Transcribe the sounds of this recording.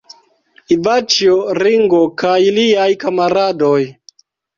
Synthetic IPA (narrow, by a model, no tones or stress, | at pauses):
ivat͡ʃioɾiŋɡokajliajkamaɾadoj